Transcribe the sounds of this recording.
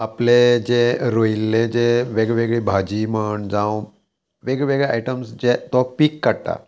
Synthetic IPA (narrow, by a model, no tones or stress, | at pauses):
apled͡ʑeɾoilːed͡ʑeʋeɡɭeʋeɡɭibʱad͡ʑiməɳd͡zãw | ʋeɡɭeʋeɡɭeajʈəmsd͡ʑet̪ɔpikːaɽt̪a̰